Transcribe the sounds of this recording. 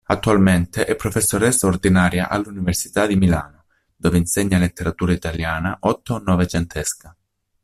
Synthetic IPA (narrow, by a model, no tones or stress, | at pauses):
at̪ːualment̪eʔɛpːɾofesːoɾɛsːaord̪inaːɾja̰ʔa̰lːuniversi̥t̪ad̪imilaːno | d̪̥oːveinseɲːalet̪ːeɾat̪uːɾait̪aljaːnaʔɔt̪ːonːɔvet͡ʃent̪ʰɛska